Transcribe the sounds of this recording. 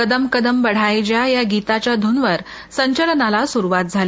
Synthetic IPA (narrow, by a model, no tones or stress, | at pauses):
kəd̪əmkəd̪əmbəɽ̤ajd͡ʑjajaɡit̪at͡ɕjad̪ʱunʋəɾ | səɲt͡ɕəɾnalasuɾuʋat̪̚d͡zʱale